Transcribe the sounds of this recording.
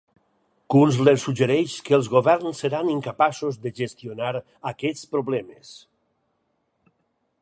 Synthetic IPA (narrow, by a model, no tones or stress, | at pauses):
kunzleɾsud͡ʒeɾɛʃkəːlˠzɣoβɛɾnsːeɾaniŋkapasozðeʒest̪ionaɾ | akɛt͡spɾoβlɛmes